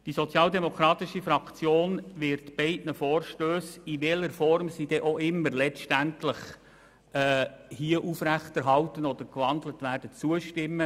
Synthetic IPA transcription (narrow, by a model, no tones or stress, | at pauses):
d̥isɔt͡sjɑːldɛmokʰɾɑːt̪ɪʃifɾɑkt͡sjoːnʋɪɾtb̥ɛɪtnəfoːɾʃtøːsiʋɛləɾfɔɾmsid̥ɛʔoʔɪmːəɾlɛt͡sʃtæntləχ | ɛːhiəʔufɾæχtɛɾɦɑltənɔd̥̪əɾkʋɑndlətʋæːrd̥ət͡suəʃtɪmːə